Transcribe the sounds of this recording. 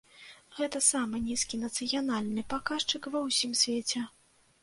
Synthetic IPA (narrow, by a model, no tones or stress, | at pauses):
ɣɛt̪ɐsamɨnʲiskʲinɐt̪sɨjanalʲnɨpakaʂt͡ʂɨkvɐwsʲimsʲvʲet͡sʲɛ